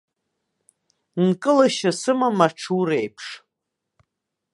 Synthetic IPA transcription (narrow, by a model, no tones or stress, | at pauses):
nkʼɨlaʃasɨmamaʈ͡ʂʰuɾejpʰʂ